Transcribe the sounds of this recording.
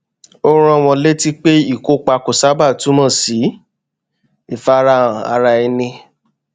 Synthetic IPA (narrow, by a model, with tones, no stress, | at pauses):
o˦ɾ̃ɔ̃˧˨w̃ɔ̃˧le˦ti˦k͡pe˦i˦˨ko˨˦k͡pa˧ko˨sa˦ba˦˨tu˨˦mã˦˨si˨˦ | i˨fa˦ɾã˧˦˨a̰˧ɾa˧i˧nĩ˧